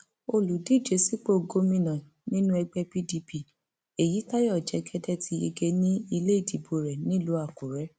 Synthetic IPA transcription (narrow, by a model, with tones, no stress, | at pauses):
o˧lu˨di˦˨d͡ʒe˨˦si˦k͡po˦˨ɡo˦mĩ˧nã˨ | nĩ˦nũ˦ɛ˧ɡ͡bɛ˧pi˦di˧pi˦˨ | e˨ji˨˦ta˦jɔ˦˨d͡ʒɛ˨˦ɡɛ˦dɛ˦tʰi˧˦jḛ˧ɡe˧nĩ˦i˧le˦i˦˨di˨˦bo˧ɾɛ˨nĩ˦lo˨˦a˦˨ku˨ɾɛ˨˦